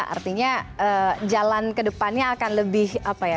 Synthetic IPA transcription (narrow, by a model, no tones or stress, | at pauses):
ʔa̰rt̪iɲaəd͡ʒalankədəpanɲaːkanləbɪhapaja